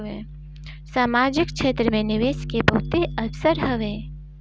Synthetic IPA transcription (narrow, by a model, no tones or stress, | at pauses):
ẽː | saːmaːd͡ʒɪkʃʰeːt̪ɾəmẽnɪʋeːʃkebɐɦʊt̪eɐbsəɾɦɐʋẽː